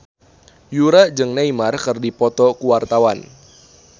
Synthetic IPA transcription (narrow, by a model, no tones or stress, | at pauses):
juɾad͡ʒɨŋnaimarkɨrdipɔt̪ɔkuwart̪awan